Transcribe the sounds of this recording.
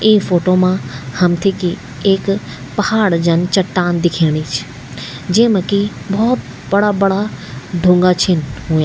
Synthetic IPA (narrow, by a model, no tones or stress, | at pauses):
ĩːfoːʈomãhɐmt̪ʰiki | ek | pɐhaːɽd͡ʑɐnɪ̆t͡ɕɐʈːaːnd̪ɪkʰiːɽ̃it͡ʃʰ | d͡ʑẽːmɐki | bɔːt̪ | bɐɽabɐɽaɖʱũŋɡat͡ɕʰɪnɦuːjaː